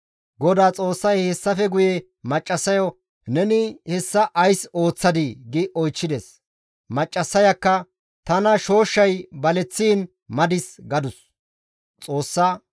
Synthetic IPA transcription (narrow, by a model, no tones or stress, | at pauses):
ɡɔd̪aːt͡sʼo̞ːsːɐjhɛsːɐfɛɡʊjɛ | mɐt͡ʃʼːɐsːɐjɔ | nɛnɪhɛsːɐʔɐjso̞ːt͡sːɐd̪ɪɡɪʔɔjt͡ʃːɪd̪ɛs | mɐt͡ʃʼːɐsːɐjɐkːɐ | t̪ɐnɐʃo̞ːʃːɐjbɐlɛt͡sːiːn | mɐd̪ɪsɡɐd̪ʊs | t͡sʼo̞ːsːaː